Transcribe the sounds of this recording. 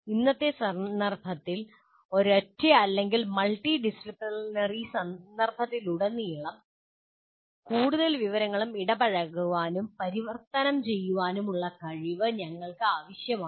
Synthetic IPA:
inːɐt̪ːe̞sɐɐrbʱɐt̪ːil | o̞ɾɐtːɐɐlːe̞ŋɡilmɐlʈiɖisripːnɐrisɐɐrbʱɐt̪ːiluɽɐnːijiɭːɐm | kuːɽuðɐlʋiʋɐɾɐŋːɐɭumiɽɐbɐɻɐɣuʋaːnumpɐɾiʋɐrt̪ɐnɐmt͡ɕe̞jːuʋaːnumuɭːɐkɐɻiʋɨɲɐŋːɐɭkɨaːʋɐɕjɐmaː

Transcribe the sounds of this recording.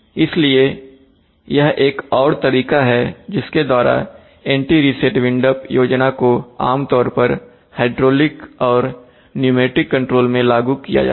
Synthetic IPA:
ɪslie | jɐɦeːkɔːɾt̪ɐɾiːkaɦɛd͡ʒɪsked̪waːɾa̰ | ɛ̃ːɳʈiɾiseʈʋɪ̃ɳɖəpjoːd͡ʒnakoa̰ːmt̪ɔːɾpɐɾ | haɪɖɾoːlɪkɔːɾ | njumeːʈɾɪkːɐ̃ɳʈɾoːlmẽlaːɡukija̰d͡ʒa̰ː

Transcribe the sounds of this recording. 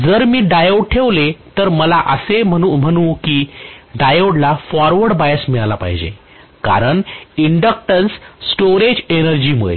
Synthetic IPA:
d͡zəɾmiːɖajoɽ̚ʈʰeʋlet̪əɾməlaʔəseməum̤əɽ̃ũːkiːɖajoɽlafɔɾʋəɽbajəsmiɭalapa̰ɦid͡ʑḛ | ka̰ɾəɳiɳɖək̚ʈənsːʈoɾed͡ʑenəɾd͡ʑiːməɭḛ

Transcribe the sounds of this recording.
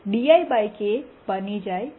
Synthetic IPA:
ɖijajbajke | bənid͡ʒaj

